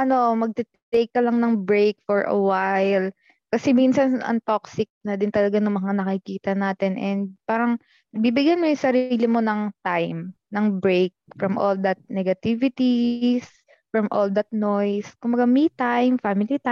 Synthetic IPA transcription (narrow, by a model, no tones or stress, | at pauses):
ʔɐno̞mɐɡ̚t̪ɛt̪t̪ejkːɐlɐŋnɐŋbɹejk̚fɔɹʔɐ̰wajl | kɐsɛminsɐnʔɐ̰ŋt̪oksɪk̚nɐd̪ɪnt̪ɐlɐɡanʊŋmɐŋanɐkɪkiːt̪ɐnaːt̪ɛnʔɛnd̪̚paːɾɐŋ | nɐɡ̚bibɪɡjɐnmojʊŋsɐɾiːlɪmo̞nɐŋt̪ajm | nɐŋbɹejk̚fɹɐmʔo̰ld̪ɐt̪̚nɛɡɐt̪ivɪt̪is | fɹɐmʔold̪ɐt̪̚nojskʊmbɐɡamit̪ajmfamɪlit̪aj